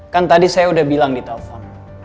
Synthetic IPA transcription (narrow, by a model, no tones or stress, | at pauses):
kant̪adisajaudahbilaŋdit̪alfɔn